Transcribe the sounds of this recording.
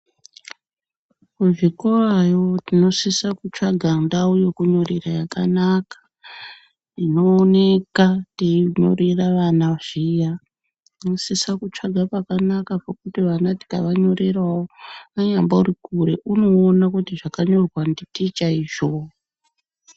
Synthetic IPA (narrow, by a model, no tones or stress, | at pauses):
kuʐikurajo̞tino̞sisakut͡ʂaɡʱandaujokuɲo̞rerajakanakḁ | ino̞ːne̞katiiɲo̞̰ɾeraʋanaʐija | inosisakut͡ʂaɡʱapakanakapokutiʋanati̥kaʋaɲo̞ɾerwawoaɲambaurikuɾe̞ʔuno̞ːnakutiʐakaɲo̞rwanditit͡ʃaiʒo̞